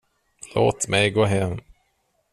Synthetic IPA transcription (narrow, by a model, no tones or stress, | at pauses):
lo̰ːt̪mʔɛjɡoːɦɛm